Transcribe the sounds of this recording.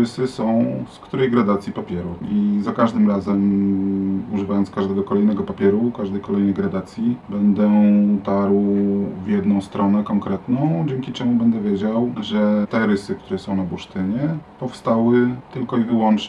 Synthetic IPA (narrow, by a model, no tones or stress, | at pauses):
ɾɘsɘsɔ̃w̃skt̪uɾɛjɡɾad̪at̪sʲjipapʲjɛɾuizakaʐd̪ɘmɾazɛm | uʐɘvajɔnt̪kaʐd̪ɛɡɔkɔlɛjnɛɡɔpapʲjɛɾukaʐd̪ɛjkɔlɛjnɛjɡɾad̪at̪sʲjibɛnd̪ɛt̪aɾwvjɛd̪nɔ̃w̃st̪ɾʔɔnɛkɔŋkɾɛt̪nɔ̃w̃d͡ʑɛŋkʲit͡ʂɛmubɛnd̪ɛvʲjed͡ʑawʐɛt̪ɛɾɘsɘkt̪uɾɛsɔ̃w̃nabuʂt̪ɘɲɛpɔfst̪awɘt̪ɘlkɔivɘwɔnt͡ʂ